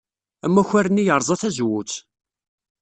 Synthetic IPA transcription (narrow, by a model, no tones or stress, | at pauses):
æmːæçæɾənːijəɾˤzˤɑθæzwut͡s